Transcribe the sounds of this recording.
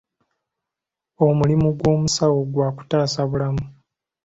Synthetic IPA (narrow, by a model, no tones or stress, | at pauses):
o̞mulimuɡwo̞ːmusawoɡwaːku̥taːsaβulamu